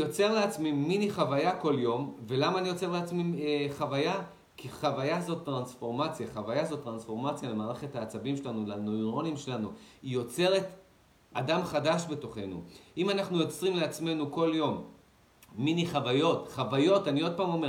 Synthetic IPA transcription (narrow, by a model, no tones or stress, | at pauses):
jo̞t͡se̞ʁleat͡smiːiniχavajako̞ljo̞mve̞lamaːnijo̞t͡se̞leat͡smiχavaja | kiχavajazo̞t̪ːʁansfo̞ʁmat͡sjaχavajazo̞tːʁansfo̞ʁmat͡sjalemaːʁeχe̞thaːt͡sabimʃe̞lanulanoiʁo̞nimʃe̞lanuijo̞t͡se̞ʁe̞t | adamχadaʃbe̞to̞χe̞nṵʔimanaχnujo̞t͡sʁimleat͡sme̞nuko̞ljo̞mː | iniχavajo̞tχavajo̞tanio̞d̚paːmo̞me